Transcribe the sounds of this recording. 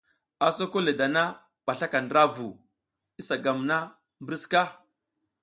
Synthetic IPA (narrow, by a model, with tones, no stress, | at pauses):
a˨so˦ko˦le˨da˨na˦ | ɓ̥a˨ɬa˦ka˨ndɾa˦vu˨ | i˦sa˨ɡa˨mna˦ | mbɾi˦ska˦